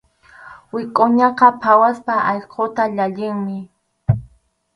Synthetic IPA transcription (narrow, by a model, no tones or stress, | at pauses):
wɪkʼoɲɑqɑpʰawaspaʔɑjqʰot̪aʎaʎɪŋmɪ